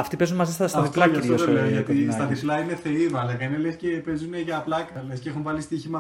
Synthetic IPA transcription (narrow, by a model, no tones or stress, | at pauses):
ɐft̪ipe̞zunmɐzist̪ɐstɐɐðipllɐɐft̪oðeleoʝɐt̪ist̪ɐðiplɐine̞θe̞iðoɐlɐkɐinelescepe̞zuneʝɐːplɐkɐlesceexumvɐlist̪içimɐ